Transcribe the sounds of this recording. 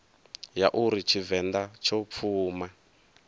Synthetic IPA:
jaʔuɾit͡ʃʰivɛnd̪at͡ʃʰɔp̪fʰuːma

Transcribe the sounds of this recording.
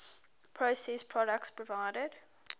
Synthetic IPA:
pʰɹəsɛspʰɹ̥ɔɾək̚tspʰɹəvaɪɾəd̥

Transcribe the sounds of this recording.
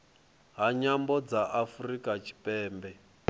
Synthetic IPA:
ɦaɲambɔd͡zaʔafurikat͡ʃʰi̥pɛːmbɛ

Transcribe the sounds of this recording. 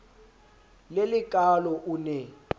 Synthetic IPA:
lelɪkʼalɔʔunɛ

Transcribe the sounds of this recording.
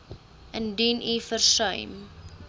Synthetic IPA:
ʔəndinʔifərsəjm

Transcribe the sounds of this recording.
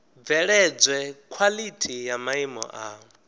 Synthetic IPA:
vɛɺɛd͡zwɛkʰwalitʰijamaimɔ̰ʔa

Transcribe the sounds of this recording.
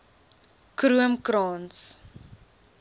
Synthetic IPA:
kɾuəmkɾɑːns

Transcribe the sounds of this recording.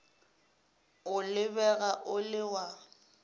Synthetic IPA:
ʊlɪbɛɣaʔʊlɪwa

